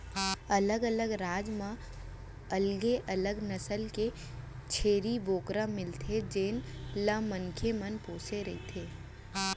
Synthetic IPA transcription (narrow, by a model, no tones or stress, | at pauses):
ɐləɡələɡɾaːd͡ʒmã | ɐlɡeʔɐləɡnəsəlke | t͡ʃʰeːɾiboːkɾə̃mɪlt̪ʰed͡ʒeːnlə̃mənkʰemənpoːseɾɐit̪ʰeː